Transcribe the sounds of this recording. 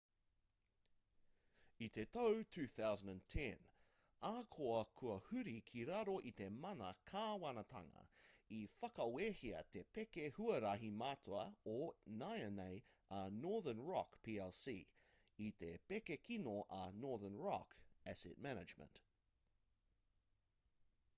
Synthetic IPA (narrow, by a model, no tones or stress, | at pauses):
it̪ʰetowtʰʉːθawzə̃ndə̃ntʰɛ̃n | akʰoɐkʰuɐhʉɾikʰiɾaɾoʔit̪e̞mɐnɐkʰaːwɐnɐt̪ʰɐ̰ŋɐ̰ifɐkɐweːhiɐ̰t̪epekehuɐɾɐɦimaːt̪ʰoɐonajɐnejɐnɔɹðə˞nɹɑkpʰiɛlsiː | it̪ʰepekekʰinoʔɐnɔɹðənɹɑ̰kæsɪ̰t̚mænɪd͡ʒmə̰̃nt